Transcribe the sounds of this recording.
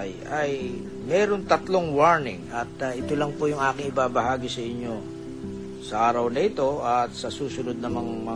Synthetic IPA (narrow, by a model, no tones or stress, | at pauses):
j | ɐj | mɛːɾo̞nt̪ɐt̪lo̞ŋwaɹnɪ̰ŋɐt̪ɐʔɪt̪o̞lɐŋpojʊŋʔaːkɪŋɪbaːbɐɦaːɡɪsɐɪɲːo̞ | sɐʔaːɾɐwnɐʔɪt̪o̞ʔɐt̪sɐsuːsʊnod̪̚nɐmɐŋamɐ